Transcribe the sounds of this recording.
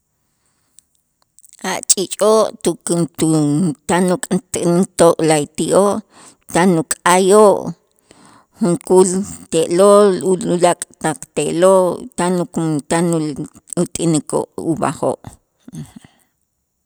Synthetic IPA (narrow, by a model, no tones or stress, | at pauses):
aʔt͡ʃʼit͡ʃʼoːʔt̪ukut̪anukʼtt̪oʔlait̪iʔoʔ | t̪anukʼajoʔ | χuŋkult̪eʔloluulakʼt̪aq͡χt̪eʔloʔt̪anukumt̪anu | ut̪ʼiniko̰ʔṵba̰χo̰ːʔ